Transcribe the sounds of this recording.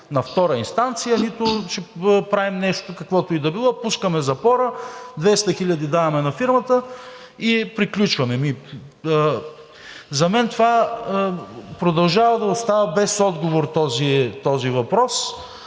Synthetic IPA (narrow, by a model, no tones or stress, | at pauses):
nɐft̪ɔɾɐinst̪ant̪sijənit̪ʊt͡ʃɛpɾavimnɛʃt̪okɐkvɔt̪ʊid̪ɐbilˠɔpuskəmɛzɐpɔɾəd̪vɛst̪ɐxiʎʲɐd̪id̪avɐmɛnɐfiɾmɐt̪ə | ipɾiklʲut͡ʃvɐmɛmi | zɐmɛnt̪ova | pɾod̪ɐlˠʒavɐd̪ɐʊst̪avɐbɛsɔd̪ɡovoɾt̪ɔzit̪ɔzivɐpɾɔs